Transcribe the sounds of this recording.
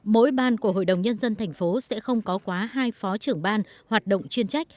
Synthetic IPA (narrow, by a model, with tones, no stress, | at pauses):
mo̰˧˥jɓaː˧˩nku˧˩əɦo̰˧˨jɗə˨˩wŋ͡mɲə˧nzə˧nt̪ʰɛ˨˩jŋ̟fo˨˦sɛ̰˧˥xə˧wŋ͡mkɔ˨˦kwaː˨˦ɦaː˧jfɔ˨˦t͡ɕɨ˧˩əŋɓaː˧nhwaː˨˩t̚ɗə̰˧˨wŋ͡mt͡ɕwi˧ənt͡ɕa˦˥jk̚